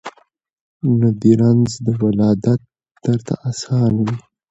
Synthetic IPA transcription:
nad̪iɾanzd̪əwalɑːd̪at̪̚ | d̪̥əɾt̪ʰa̰ʔasɑːnawi

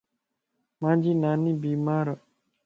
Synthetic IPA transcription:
mãːd͡ʒiːnaːniːbiːmaːɾ

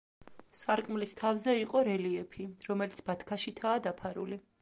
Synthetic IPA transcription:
saɾkʼmlist̪ʰavzɛiqʼɔɾɛliɛpʰiɾɔmɛlit̪sʰb̥at̪ʰkʰaʃit̪ʰaːd̪apʰaɾṵli

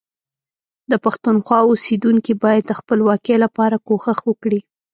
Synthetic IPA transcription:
d̪əpaxt̪unxwɑosed̪uŋkibɑjad̪̚ːəxpəlwɑkelapɑɾakoxaxwəkɽi

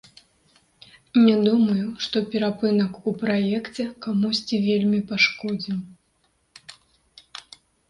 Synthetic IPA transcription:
nʲɛd̪umɐjuʂt̪ɔpʲɛɾapɨnɐkupɾajɛkt͡sʲɛkamusʲt͡sʲivʲelʲmʲipaʂkɔd͡zʲim

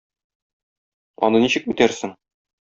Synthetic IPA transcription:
ɒ̰nɤniɕɘ̆k̚mit̪æɾsɘŋ

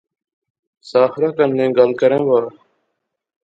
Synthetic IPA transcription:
saːxɾaːkənːẽːɡəlkəɾẽːʋaːɾ

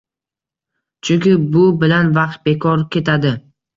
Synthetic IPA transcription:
t͡ʃʰʊŋkʲɪbʊbɪlanvɑq̚t̪̚be̞kʰɒɾkʲʰe̞t̪ʰad̪ɪ

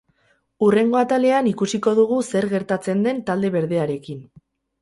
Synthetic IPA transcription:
ure̞ŋɡo̞at̪ale̞anikusiko̞ðuɣuse̞ɾɣe̞ɾt̪at͡se̞nd̪e̞nt̪ald̪e̞βe̞ɾðe̞aɾe̞kin

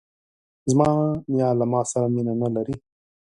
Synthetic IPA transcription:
zmɑːnjɑːlamɑsaɾaminanalaɾi

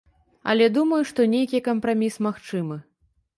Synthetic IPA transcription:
ɐ̰lʲɛd̪umɐjuʂt̪ɔnʲejkʲikɐmpɾamʲismaxt͡ʂɨmɨ

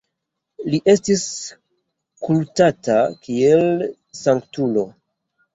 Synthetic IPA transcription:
liʔe̞stis | kultatakiel | saŋktulo̞

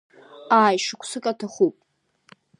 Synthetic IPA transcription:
aːjʂɨkʷʰsɨkʼatʰaχupʼ

